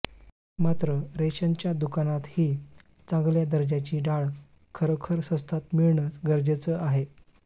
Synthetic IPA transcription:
mat̪ɾəɾeɕəɲt͡ɕjad̪ukanat̪hiː | t͡sãŋɡljad̪əɾd͡ʑjat͡ɕiːɖaɭ | kʰəɾəkʰəɾsə̃st̪ʰat̪miɭɳət͡sɡəɾd͡ʑet͡səʔaɦe

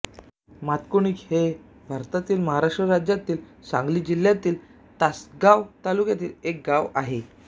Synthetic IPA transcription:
mat̪koɳikhe | bʱaɾt̪at̪iːlməɦaɾaʂʈɾəɾad͡ʑjat̪iːlsã̰ŋɡliːd͡ʑiljat̪iːl | t̪asɡaʋt̪alukjat̪iːlek̚ɡaʋaɦe

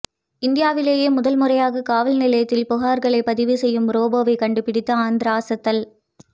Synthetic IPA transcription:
ɪnd̪ɪjaːʋɪleːjeːmʊðɐlmʊrɐjaːɣɐkaːʋɐlnɪlɐjɐt̪ːɪlpʊɣaːɾɣɐɭɐɪpɐðɪʋisɛjːɯmɾoːbɐʋɐɪkɐɳɖɯpɪɽɪt̪ːɐaːnd̪ɪɾaːsɐt̪ːɐl

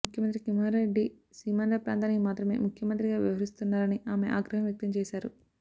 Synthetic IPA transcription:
ukʰjɐmɐnt̪ɾikimaːɾɾeɖːi | siːmɐnɾɐpɾa̰ːnt̪ʰaːniimaːt̪ɾɐme̞̰ːmukʰjɐmɐnt̪̬ɾiɡaːʋiʋɐɾist̪unːaːɾɐniaːme̞̰ʔaːɡɾɐɦɐmjɐk̚t̪ɐmt͡ʃɛːʃaːɾu

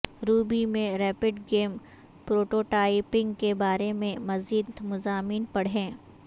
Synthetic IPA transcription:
ɾuːbimẽɾɛːpɪɖɡeːm | pɾoːʈoːʈaːɪpɪ̃ŋɡkebaːɾemẽmɐziːd̪mʊzaːmiːnpɐɽ̤ɦẽː

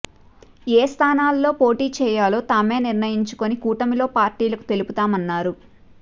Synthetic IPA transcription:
eːst̪ʰaːnaːlːo̞ːpo̞ːʈiːt͡ʃɛːjaːloːt̪aːme̞ːniɾnɐjiɲt͡ʃu̥konikuːʈɐmilo̞ːpaːɾʈiːlɐku̥t̪e̞luput̪aːmɐnːaːɾu

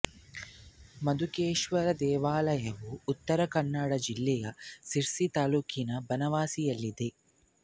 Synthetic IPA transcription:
mɐd̪ukeːʃʋɐɾɐd̪ɛːʋaːlɐjɐʋuːt̪ːɐɾɐkɐɳːaːɽɐd͡ʒilːɛjɐsiɾsit̪aːluːkʰinɐbɐnɐʋaːsijɐlːid̪e

